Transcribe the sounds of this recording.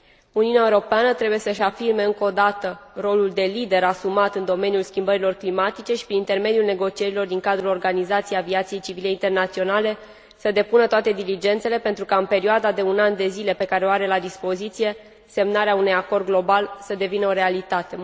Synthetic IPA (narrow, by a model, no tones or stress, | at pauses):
uniuneaeuɾo̞peanət̪ɾebuje̞səʃafirme̞ɨŋko̞d̪at̪əro̞luld̪e̞lid̪e̞ɾasumat̪ɨnd̪o̞me̞njulskʲimbəɾilo̞rklimat̪it͡ʃe̞ʃi̥pɾinint̪e̞rme̞d̪julne̞ɡo̞t͡ʃie̞ɾilo̞rd̪iŋkad̪ɾulorɡanizat̪sijejaviat̪sijejt͡ʃivile̞int̪e̞rnat̪sio̞nale̞ | səd̪e̞punət̪oat̪e̞d̪ilid͡ʒe̞nt̪se̞le̞pe̞nt̪ɾukaɨnpe̞ɾioad̪ad̪e̞unand̪e̞zile̞pe̞kaɾeoaɾe̞lad̪ispo̞zit̪sije̞ | se̞mnaɾeaunujako̞rd̪̚ɡlo̞balsəd̪e̞vinəo̞ɾe̞alit̪at̪e̞